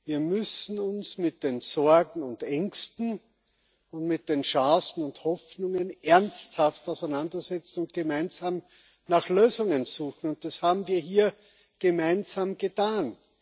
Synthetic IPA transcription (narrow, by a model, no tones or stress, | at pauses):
viːɐmʏsn̩ʊnsmɪt̚d̥eːnzɔɐɡŋ̩ʊndɛŋkstn̩ | ʊntmɪt̚d̥eːnʃaːsn̩ʊnthɔfnʊŋənʔɛɐnsthaftaʊsæɪnandɐzɛt͡sn̩ʊnt̚ɡ̥əmæɪnzaːm | naxløːzʊŋənzuːxn̩ʊnt̚d̥ashaːbm̩viːɐɦiːɐ | ɡ̥əmæɪnzaːmɡ̥ətʰaːn